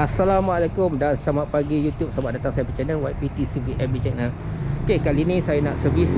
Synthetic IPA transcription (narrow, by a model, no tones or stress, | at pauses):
asalamaalakʊmdansamaʔpaɡijut̪jup̚sabaʔ̚dat̪aŋsajabit͡ʃɛnəlwajpit̪isiviʔɛmbit͡ʃɛnəlkekalinĩsajanaʔsəvis